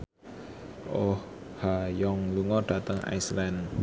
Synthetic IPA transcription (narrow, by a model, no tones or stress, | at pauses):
ʔohhajɔŋluŋɔɖ̥ä̤t̪əŋa̰jslan